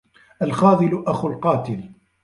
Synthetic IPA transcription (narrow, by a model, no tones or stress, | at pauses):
ʔalxɑːðˤɨlʊʔaxʊlqɑːt̪ɪl